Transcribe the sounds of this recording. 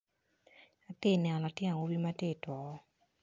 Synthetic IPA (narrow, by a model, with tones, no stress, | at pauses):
a˨tɪ˦˨nɛ˨nɔ˨la˨tjɛ˦na˨wo˦bi˦ma˦te˦˨twɔ˨˦